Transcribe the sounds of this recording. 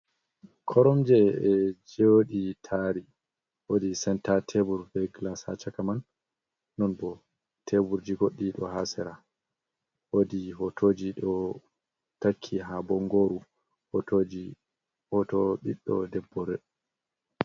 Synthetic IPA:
kʰɔɾɔmd͡ʒɛɛd͡ʒeɗitʰaːɾi | wodisɛntatʰebuɾbɛɡlasa̰t͡ʃakamanː | ɔnbɔ | tʰebuɾd͡ʒiɡoɗːiɗɔ̰hasɛɾa | wodiɦɔtʰoːd͡ʒiɗɔ | takʰːiɦabɔŋɡoɾu | hotod͡ʒi | hɔtɔɓiɗːɔ̰dɛbːɔɾɛɗ

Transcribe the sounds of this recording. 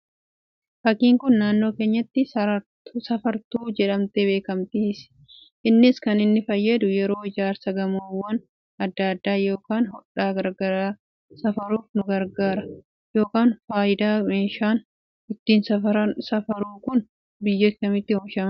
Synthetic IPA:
fɐkiːŋkʊnːaːnːo̞ːke̞ːɲːɐt̪ːɪ | sɐfɐɾt̪uːd͡ʒɛᶑɐmt̪ebe̞ːkɐmt̪iːs | ʔɪnːɪskɐnɪnːɪfɐjːɐd̪ʊjɛɾo̞ːɪd͡ʒaːɾsɐɡɐmowːɐn | ɐd̪ːɐːɐd̪ːaːjo̞ːkaːnhɔᶑaːɡɐɾɡɐɾaː | sɐfɐɾuːfnʊɡɐɾɡaːɾɐ | jo̞ːkaːnfaːʔɪd̪aːmeːʃaːn | ɪt̪ːiːnsɐɐɐsɐfɐɾuːkʊn | bɪjːɔt̪ɪkɐmɪt̪ːɪhɔmʃɐm

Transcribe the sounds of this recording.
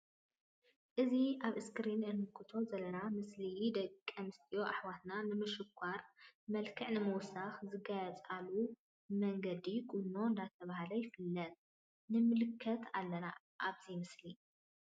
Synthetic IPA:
ʔɨziaβɨskɾinʔɨnɨkʰɨt̪ʰo̞zɐlɐnamɨslid̪ɐkʼːɐmɨst̪ʰʼijo̞ʔaħwat̪nanɨmɨʃɪkʷʰːaɾmɐlkʰɨʕnɨmɨwʊsːaxzɨɡajɛt͡sʼalu | mɐŋɡɐd̪ikʼunːo̞ɨnd̪at̪ʰɐβahalɐjɪfɨlːɐt̪̚ | nɨmɨlɨkʰːɐt̪ʰalːɐna | ʔaβzimɨsli

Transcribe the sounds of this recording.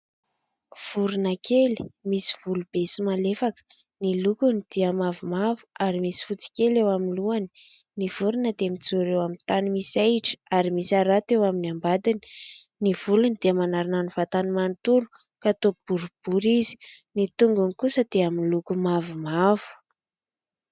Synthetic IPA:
v̥uɾunakʰeli̥misi̥v̥ulub̥esimalefakə̥ | nilukunid̪̥iamavumavu̥aɾimisi̥fut͡si̥kʲelewamiluani̥ | nivuɾunəd̪emit͡suɾewamint̪animisajʈ͡ʂə̥aɾimisaɾat̪ewaminambad̪ini̥ | niv̥ulunid̪̥eəmanaɾananiv̥at̪animant̪ulu̥ | kat̪ob̥uɾub̥uɾizi̥nit̪uŋɡunikusəd̪̥eaminlukumavumavu̥

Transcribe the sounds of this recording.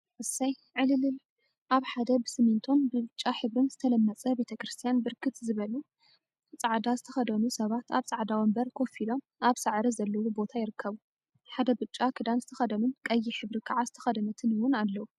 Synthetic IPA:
ʔɨsaj | ʕɨlɨlɨl | ʔaβħad̪ɐbɨsɨmint̪ʰo̞nbɨβɨt͡ʃʼːaħɨβɾɨnzɨt̪ʰɐlɐmːɐt͡sʼɐbe̞t̪ʰɐkɾɨst̪ʰijanbɨɾkʰɨt̪zɨβɐlu | t͡sʼaʕd̪azɨt̪ʰɐxɐd̪ɐnusɐβat̪aβt͡sʼaʕd̪awɐmbɐɾkʰo̞filom | ʔaβsaʕɾizɐlːɐwubo̞t̪ʰajɪɾɨkʰːɐβu | ħad̪ɐbɨt͡ʃʼːakʰɨd̪anzɨt̪ʰɐxɐd̪ɐnunkʼɐjːiħɨβɾɨkʰaʕazɨt̪ʰɐ̥xɐd̪ɐnɐt̪ʰɨnɨwʊnalːɐwu

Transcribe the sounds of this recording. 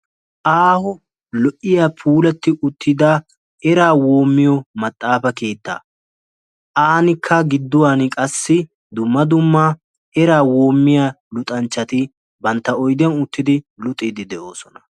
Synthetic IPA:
ʔaːhʊ | lɔʔɪjaːpʰuːlɛt̪ːɪʔʊt̪ːɪd̪a | ɛɾaːwo̞ːmːɪjɔmɐt̪ʼːaːfɐke̞ːt̪ːa̰ː | ʔaːnɪkʰːɐɡɪd̪ːʊwanɪkʼɐsːɪ | d̪ʊmːɐd̪ʊmːa | ɛɾaːwo̞ːmːɪjaː | lʊt̪ʼɐnt͡ʃːɐt̪ɪ | bɐnt̪ːɐɔjd̪ɪɐnʊt̪ːɪd̪ɪlʊt̪ʼːɪd̪ɪd̪ɛʔo̞ːsɔnɐ

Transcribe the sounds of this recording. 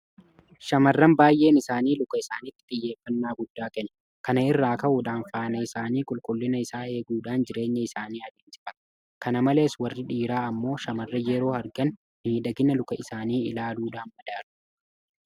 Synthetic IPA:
ʃɐmɐrːɐmbaːjʔe̞ːnɪsaːniːlʊkɐɪsaːnɪt̪ːɪ̥t̪ʼɪjːe̞ːfːɐnːaːɡʊd̪ːaːkɛnːɐ | kɐnɐɪrːaːkɐʔʊᶑaːnfaːnɐɪsaːniːkʼʊlkʼʊlːɪnɐɪsaːe̞ːɡuːᶑaːnd͡ʒɪɾe̞ːɲːɐɪsaːniːɐd̪eːnsɪ̥fɐ | kɐnɐmɐle̞ːswɐrːɪᶑiːɾaːɐmːo̞ːʃɐmɐrːɐjɛɾo̞ːhɐɾɡɐn | niːᶑɐɡɪnɐlʊkɐɪsaːniːɪ̰laːluːᶑaːnmɐd̪aːɾʊ̥

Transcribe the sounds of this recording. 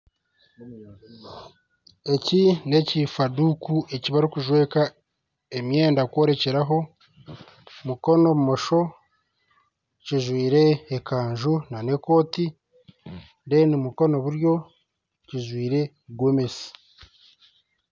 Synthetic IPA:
e̞cine̞cifadukuʔe̞ciβaɾikuʒwe̞ːka | emje̞ːndakwo̞ɾe̞ce̞ɾaɦo̞ | muko̞no̞βumo̞ʃo̞ | ciʒwiːɾe̞ːkaːɲʒunane̞ko̞ːti | ndenimuko̞no̞βuɾjo̞ | ciʒwiːɾe̞ | ɡwome̞si̥

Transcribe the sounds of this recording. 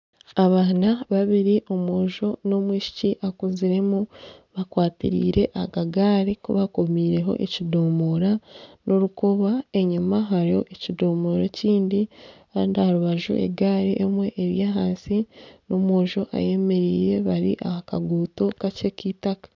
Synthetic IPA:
aβaːnaβaβiɾiʔo̞moːʒo̞no̞mwiːʃi̥ciʔakuziɾe̞muβakwaːtḭɾḭːɾe̞ʔaɡaɡaːɾikuβakomiːɾe̞ɦo̞̰ʔḛcidoːmoɾanʔoɾukoβae̞ɲumaɦaɾiho̞̰ʔecido̞ːmoɾeciːndikaːndahaɾuβaʒṵʔe̞̰ɡaːɾiʔemwe̞ʔːβjaːɦaːnsino̞moːʒo̞ʔa̰je̞me̞ɾiːɾe̞βaɾḭʔaka̰ɡuːto̞kat͡ʃe̞kitakḁ

